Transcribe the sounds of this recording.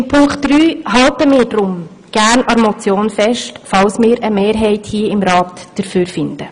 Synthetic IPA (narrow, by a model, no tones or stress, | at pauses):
ɪmpʰʊŋkχtd̥ɾyːɦɑltəmɪːɾd̥ɾʊm | ɡ̥æːɾnɑɾmɔt͡sjoːnfɛʃtfɑlsmɪːɾəmeːɾɦɛɪthiːəɪmɾɑːtd̥əɾfyːɾfɪnd̥ə